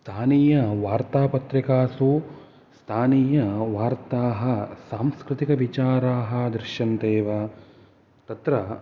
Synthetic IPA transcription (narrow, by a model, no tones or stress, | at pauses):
st̪ʰaːniːjɐʋaːɾt̪aːpɐt̪ɾikaːsuː | st̪ʰaːniːjɐʋaːɾt̪aːɦɐsaːmskɾɪt̪ikɐʋit͡ʃaːɾaːɦɐ̆d̪ɾɪʃjɐnt̪eːʋɐ | t̪ɐt̪ɾɐ